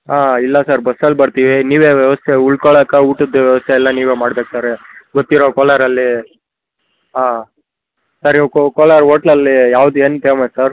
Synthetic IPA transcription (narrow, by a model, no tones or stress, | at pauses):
aːilːɐsaːɾbɐsːɐlːbɐɾt̪iʋiniːʋeːʋjɛʋɐst̪ʰeuɭkoɭɐkɐuːʈod̪ːuʋjɛʋɐst̪ʰeɛlːɐniːʋeːmaːɽbeːk̚t̪aɾeɡot̪ːiɾokoːlɐɾɐlːi | ɦaː | saɾikokoːlɐɾoːʈlɐlːijaːʋd̪ueːnpeːmɐsaɾ